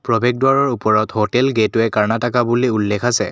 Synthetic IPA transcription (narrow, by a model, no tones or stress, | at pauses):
pɹɔbʱeɡ̚dʊwaɹɔɹupɔɹɔthotɛlɡetʊɛkaɹnatakabuliulːɛkʰasɛ̰